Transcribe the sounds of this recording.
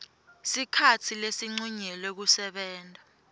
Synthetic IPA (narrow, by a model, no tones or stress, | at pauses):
sikʰatʰilesiŋ͡ǀuɲɛlek̬usɛɓɛːntʼa